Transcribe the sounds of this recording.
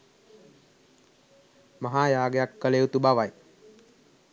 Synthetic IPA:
maɦaːjaːɡejakːəleut̪ubaʋaj

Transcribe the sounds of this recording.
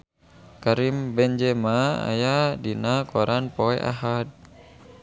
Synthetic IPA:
kaɾimbɛɲd͡ʒɛmaa̰jadinakɔɾʔanpoɛ̰ʔa̰ɦad̚

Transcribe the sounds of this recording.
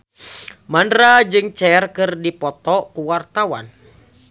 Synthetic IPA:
mandɾad͡ʒɨŋt͡ʃɛrkɨrdipɔt̪ɔkuwart̪awa̰n

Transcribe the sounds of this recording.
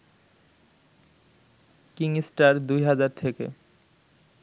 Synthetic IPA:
kiŋisʈaɾd̪ujɦad͡ʑaɾt̪ʰekḛ

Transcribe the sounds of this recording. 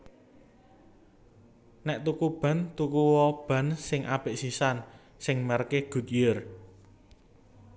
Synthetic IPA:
nɛʔt̪ukub̥ä̤nt̪ukuwɔb̥ä̤nsɪŋʔab̥eʔsisan | sɪŋmərkeɡ̥ṳt̪̚jər

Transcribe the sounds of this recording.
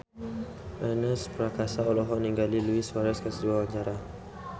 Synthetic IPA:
ʔanəspəɾakasaɔlɔɦɔniŋɡaliluiswaɾɛskəsəduawaɲd͡ʒaɾa

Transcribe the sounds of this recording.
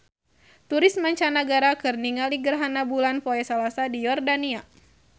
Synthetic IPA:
t̪uɾɪsmaɲt͡ʃanaɡaɾakɨrniŋaliɡərɦanabulanpoɛsalasadijɔrdania

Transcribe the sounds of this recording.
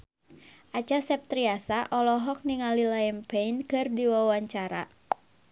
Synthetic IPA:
ʔat͡ʃasɛp̚t̪ɾiasaʔɔlɔɦɔk̚niŋalilaɛmpeinkɨrdiwawaɲt͡ʃaɾa̰

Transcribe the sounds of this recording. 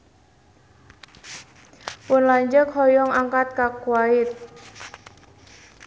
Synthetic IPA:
pʊnlaɲd͡ʒəkhɔjɔŋaŋkat̪̚kakwaɪt̪̚

